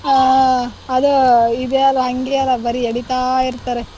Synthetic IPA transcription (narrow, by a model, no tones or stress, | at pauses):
aɐd̪uid̪eɐlːɐɦɐŋɡeɐlːɐbɐɾieɽit̪aːiɾt̪ɐɾe